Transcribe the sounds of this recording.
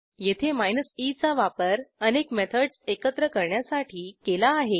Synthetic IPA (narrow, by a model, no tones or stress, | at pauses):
jet̪ʰemajnəsit͡saʋapəɾənekmet̪ʰəɽsekət̪ɾəkəɾɳjasaʈʰiːkelaːɦe